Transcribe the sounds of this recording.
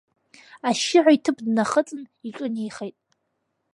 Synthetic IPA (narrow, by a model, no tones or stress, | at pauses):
aʃɪʕʷaitʰɨpʰdnaχət͡sʼɨniʈ͡ʂʼɨnejχejtʼ